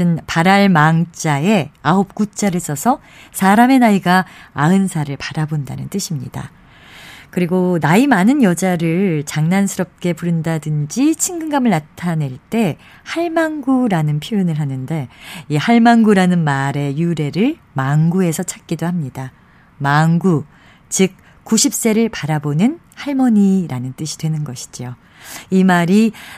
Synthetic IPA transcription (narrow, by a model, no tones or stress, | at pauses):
ɯnpaɾaɭmaŋt͡ɕ͈ae̞aop̚k͈ut͡ɕ͈aɾɯɭs͈ʌsʰʌ | sʰaɾame̞naiɡaaɯnsʰaɾɯɭpḁɾabonda̰nɯnt͈ɯɕʰimɲḭda̰ | kɯɾiɡonaimanɯnjʌd͡ʑaɾɯɭt͡ɕaŋnansʰɯɾʌp̚k͈e̞puɾɯndadɯnd͡ʑit͡ɕʰiŋɡɯŋɡamɯɭnatʰane̞ɭt͈e̞ | haɭmaŋɡuɾanɯnpʰjojunɯɭɦanɯnde̞ihaɭmaŋɡuɾanɯnmaɾe̞juɾe̞ɾɯɭ | maŋɡue̞sʰʌt͡ɕʰḁk̚k͈idohamɲida | manɡu | t͡ɕɯk̚ | k͈ːuɕʰip̚s͈e̞ɾɯɭpaɾabonɯn | haɭmʌɲiɾanɯnt͈ɯɕʰi̥dwe̞nɯnɡʌɕʰi̥d͡ʑio | imaɾi